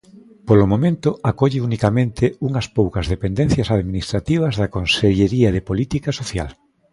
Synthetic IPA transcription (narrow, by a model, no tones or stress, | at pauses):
polomõmẽnt̪ʊakɔʎɪunikamẽnt̪ɪuŋɐspowkɐzðepend̪ẽn̟θjɐsaðminist̪ɾat̪iβ̞ɐzðɐkonseʎeɾiɐðɪpolit̪ikasoθja̰l